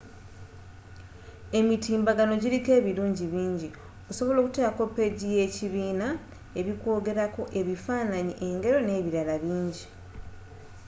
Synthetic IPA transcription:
e̞mitiːmbaɡano̞ɟiɾike̞ːβiluːɲɟiβiːɲɟi | o̞so̞βo̞lo̞ːku̥tekako̞pːe̞ɟije̞ciβiːna | e̞βiko̞ːɡe̞ɾako̞ʔe̞βifaːnaɲiʔe̞ŋɡe̞ɾo̞ne̞ːβiɾalaβiːɲɟi

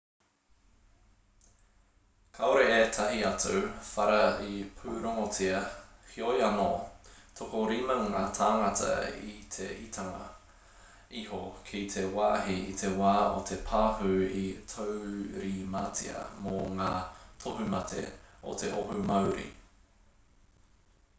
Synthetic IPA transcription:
kʰaoɾeeːtʰɐɦiɐtʰofɐɾɐipʰʉːɾoŋot͡siɐhʰiojɐno̰t̪ʰokoɾimɐŋaːt̪ʰaːŋɐtʰɐ̰ḭt̪ʰḛitʰɐŋɐ̰ | ihokʰit̪ʰewaːɦiit̪ʰe̞waːo̰t̪ʰepʰaːɦʉitʰowɾimat͡sḭɐ̰moŋaːtʰoɦumɐtʰḛo̰t̪ʰeʔoɦumɐwɾḭ

